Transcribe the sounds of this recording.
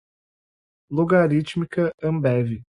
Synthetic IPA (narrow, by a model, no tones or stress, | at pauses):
loɡaɾit͡ʃmikɐɐ̃mbɛvi